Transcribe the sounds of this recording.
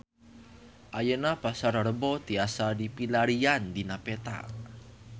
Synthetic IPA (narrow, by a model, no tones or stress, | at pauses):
ʔajənab̥asaɾɾəbɔt̪iasadipilaɾiand̪inapet̪a̰